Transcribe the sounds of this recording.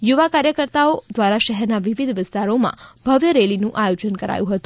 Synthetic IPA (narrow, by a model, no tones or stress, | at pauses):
juʋakaɾjəkəɾt̪aod̪ʋaɾaʃɛɦɛɾnaʋiʋid̪ʱʋɪst̪aɾomã̰b̥ʱəʋjəɾelinũʔajod͡ʒənkəɾa̰jũɦət̪ũ